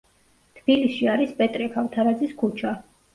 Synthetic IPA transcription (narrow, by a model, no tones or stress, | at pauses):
t̪ʰb̥iliʃiaɾispʼɛt̪ʼɾɛkʰavt̪ʰaɾad̪ziskʰut͡ʃʰa